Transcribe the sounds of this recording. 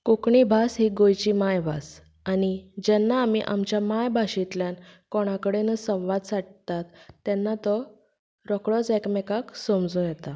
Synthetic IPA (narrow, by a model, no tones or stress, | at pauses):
kokɳibʱasɦiːɡojt͡ɕimajbʱa̰s | anid͡ʑɛnːaːmiʔa̰mt͡ɕjamajbʱaɕit̪ljankɔɽ̃akəɽenəsə̃w̃ʋad̪saʈ̚t̪at̪ːɛnːat̪ɔ | ɾɔkɭɔt͡sɛkmɛkaksomd͡zũjɛt̪a